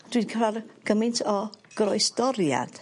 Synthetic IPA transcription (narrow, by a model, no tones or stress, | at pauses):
d̥wikʰərarɡ̥əmɪntʰɔɡ̥rɔjsd̥ɔɾja̰d̥